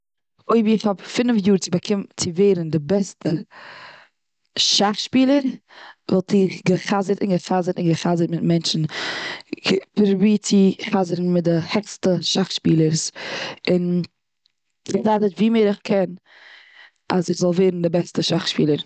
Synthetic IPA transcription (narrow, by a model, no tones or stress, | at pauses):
oɪbiɪχɔpfɪnfjuːɾt͡sɪbakʰɪmt͡sɪveɪɾn̩dɪbɛstə | ʃaχʃpiːlˠəɾvɛlˠtiɡəχazəɾtɪnɡəχazəɾtɪnɡəχazəɾtmɪtmɛnt͡ʃn̩ | pəɾbiːt͡sɪχazəɾn̩mɪt̚dɪhɛkstəʃaχʃpiːlˠəɾsɪn | ɪχzaːtətviːmeɪɾɪχkʰɛn | ʔazɪχzɔlˠveɪɾn̩dɪbɛstəʃaχʃpiːlˠəɾ